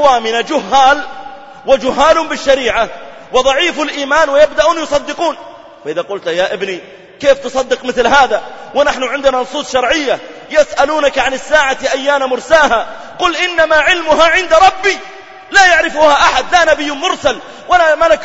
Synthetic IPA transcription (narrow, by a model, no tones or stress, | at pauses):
waːmɪnad͡ʒʊɦːaːl | wɪd͡ʒʊɦːaːlʊmbɪʃːaɾiːʕa | wɪðˤɑʕiːfɪlʔiːmaːnwɪjabd̪aʔuːnjʊsˤɑd̪ːɪquːn | faʔɪðaqʊlt̪jaʔɪbni | keːft̪ɨsˤɑd̪ːɪqmɪθlɦaːðawɪnaħnʊʕɪnd̪ɪnanʊsˤuːsˤʃɑɾˤʕɪjːajɪsʔaluːnakʕanɪsːaːʕatiʔajːaːnamʊɾsaːɦa | qʊlʔɪnːamaʕɪlmʊɦaʕɪnd̪ɾˤɑbːi | lajaʕɾɪfuːhaʔaħad̪lanabɪjːʊmʊɾˤsal | walamalak